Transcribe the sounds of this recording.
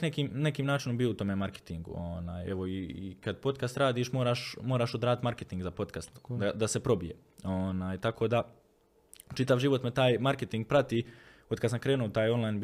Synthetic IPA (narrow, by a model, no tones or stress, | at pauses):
nekiːmne̞kiːmnaːt͡ʃino̞mbiout̪o̞me̞maɾke̥t̪iŋɡṵonaːje̞ʋo̞ikad̪po̞t̪kast̪ɾaːd̪iːʃmo̞ːɾaːʃmoːɾaːʃod̪ɾaːd̪t̪maɾket̪iŋɡzapo̞t̪kast̪d̪ad̪ase̞pɾo̞bijḛ | onaːjt̪akoːd̪a | t͡ʃit̪aʋʒiʋo̞t̪me̞t̪aːjmaɾke̞t̪iŋɡ̚pɾat̪iː | o̞d̪kad̪samkɾeːnuot̪aːjo̞nlˠajn